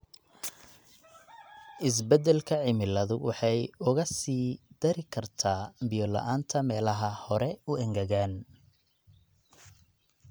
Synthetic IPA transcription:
ʔɪs̬bɛd̪ɛlkʰɐʕɪmɪlɐðʊwɑħɑjʊɣɐsiːd̪̥ɐɾɪkʰɐrt̪ʰaːbɪjɔlɐ̰ʔaːnt̪ʰɐmɛːlɐɦɐhɔɾɛʊʔɛŋɡɐɣaːn

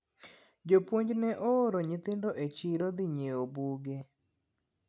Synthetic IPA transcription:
d͡ʒopwoɲd͡ʒnɛʔoːɾoɲɪt̪ɪndoʔet͡ʃiɾod̪ɪɲeobuɡe

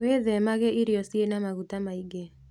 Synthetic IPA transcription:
weðɛmaɣɛʔiɾiɔsienamaɣutamaiɡɛ

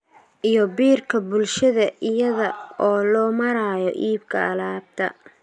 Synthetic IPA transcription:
ʔijɔbiːrkʰɐbʊlʃɐðɐʔɪjɐðɐɔːlɔːmɐɾaːjɔʔiːbkʰɐɐlaːb̚t̪ʰɐ̰

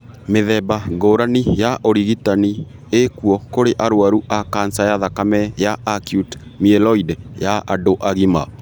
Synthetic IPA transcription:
meðɛbaɡoːɾanijaʔoɾiɣitani | ekuɔkoɾeʔaɾoaɾuʔakansajaðakamɛjaakjut | miɛlɔidɛjaʔadoʔaɣima

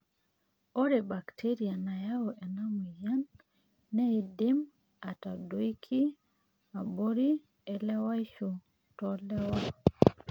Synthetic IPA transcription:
ɔɾɛbaktʰɛɾianajawɔʔɛnamujanː | ɛidem | atadojkʰi | aboɾi | ɛlɛwajt͡ʃɔ | tɔlɛwa

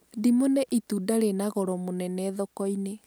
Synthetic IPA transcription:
dimonɛʔitudaɾenaɣɔɾɔmonɛnɛðɔkɔine

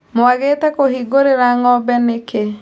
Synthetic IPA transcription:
moaɣetɛkohiɡoɾeɾaŋɔbɛneke

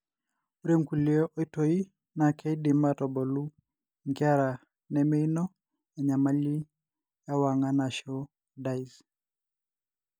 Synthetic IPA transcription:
uɾemkuliɔʔɔitɔi | nakʰɛidimatɔbɔlu | ŋkiaɾa | nɛmɛinɔ | jaɲamali | jawaŋanaʃɔ | dais

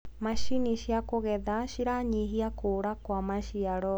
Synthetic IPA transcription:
maʃiniɕjakoɣɛðaʃiɾaɲiɦiakoɾakwamaʃiaɾɔ

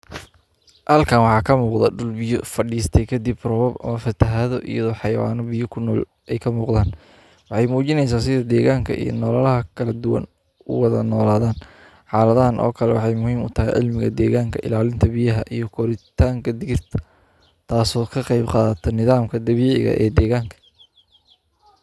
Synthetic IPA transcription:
hɐlkʰaːnwɑħɑːkʰɐmuːqðɐɖʊlbɪjɔfɐɖiːst̪ʰɛjkʰɐd̪ibrɔβɔbɐ̰mɐfɐt̪ʰɐɦɐðɔʔḭjɐðɔːħɑjɐwa̰ːnɔbijʊkʰʊnɔːl | ɛjkʰɐmuːqd̪aːn | wɑħɑjmuːt͡ʃɪnɛjs̬aːsɪðɐd̪ɛːɣaːŋkʰɐʔḭj̰nɔːlaːlɐɦɐkʰɐlɐd̪ʊwɐ̰n | ʊ̰wɑðɐ̰nɔːlaːðaːn | ħɑːlɐðɐɦɐnʔɔ̰ːkʰɐlɛwɑħɑjmʊhiːmʊt̪ʰɐɦɛjʕɪ̰lmɪɣɐ̰d̪ɛːɣaːŋkʰɐʔɪ̰laːlɪnt̪ʰɐbijɐɦɐʔijɞkʰɔɾɪt̪ʰaːŋkʰɐd̪ɪɣɪrt̪ʰɐ̥ | t̪ʰaːsɔːkʰɐqɑjbqɑːðɐt̪ʰɔnɪðaːmkʰɐd̪ɐβiːʕɪ̰ɣɐ̰ʔɛ̰ːd̪ɛːɣaːŋkʰɐ̥

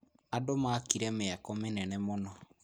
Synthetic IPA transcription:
adomakiɾɛmeakɔmenɛnɛmonɔ

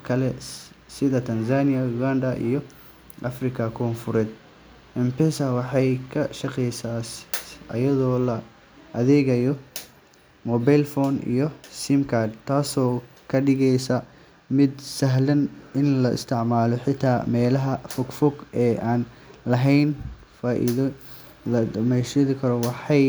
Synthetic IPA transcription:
kʰɐlɛ | sɪðɐt̪ʰɐnsaːnɪjɐjuɡand̪ɐʔḭjɔ | ʔɐfrɪkʰɐkʰɔːnfʊɾɛːd̪ | ɛmpɛsɐwɑħɑjkʰɐʃɐqɛjsaːsʔɐ̰jɐðɔːlɐ | ʔɐðɛːɣɐjɔ | mɔbajlfɔːnḭjɔsimkʰad̪t̪ʰaːsɔː | kʰɐɖɪɣɛjsɐ | mɪd̪sɐɦlɐnɪnlɐʔɪ̰st̪ʰɪʕmaːlɔħɪt̪ʰːaːmɛːlɐɦɐfɔɡfɔɡɛːʔaːn | lɐɦɛjn | faːʔḭðɔ | lɐd̪ɐmɛjʃɐðɪkʰɐɾɔwɑħɑj

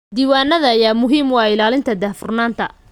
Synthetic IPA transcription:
d̪iːwaːnːɐðɐːjaːmʊɦiːmwɑːɪlaːlɪnt̪ʰɐd̪aːfʊrnaːnt̪ʰɐ

